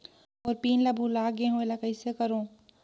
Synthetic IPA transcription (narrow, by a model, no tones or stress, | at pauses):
ɔːɾpiːnlɐbʱulaːɡẽɦõelakɐɪsekɐɾõː